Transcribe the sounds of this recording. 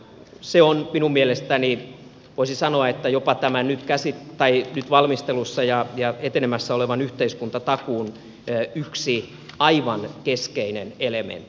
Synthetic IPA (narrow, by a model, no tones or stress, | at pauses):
seonminummielest̪æni | ʋoisisɑnoɑet̪ːæjopɑt̪æmænnyt̪kæsitt̪ɑinyt̪ʋɑlmist̪elusːɑjɑjɑet̪enemæsːæoleʋɑnyht̪eiskunt̪ɑt̪ɑkuːnː | yksi | ɑiʋɑnkeskeinenelemḛnt̪ːi̥